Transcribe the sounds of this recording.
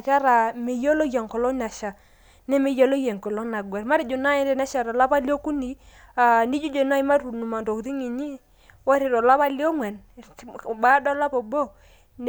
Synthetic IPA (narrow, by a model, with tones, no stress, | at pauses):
ka˦ɾa˨me˨jo˦lo˦ja˨ŋkɔ˨lɔ˦ɲa˨ʃa˨ | nɛ˦me˨˦jɔ˦lo˦jɛ˨ŋkɔ˨lɔ˦na˨ɡwɛ˨ɾma˦ɾi˨d͡ʒo˨na˦ɪ˦dɛ˨na˦ʃa˨ɾɔ˨la˦pa˦li˦o˦ku˦ni˨ | a˨ni˦d͡ʒu˦d͡ʒo˨na˦i˦ma˦ɾu˨nu˨ma˨ndo˨kði˦ŋi˨ɲi˦ | wa˦ɾɪ˨ɾɔ˨la˦pa˦li˦ɔ˦ŋwɛ˨n˨ | ba˦dɔ˦la˦pɔ˨bo˦ | n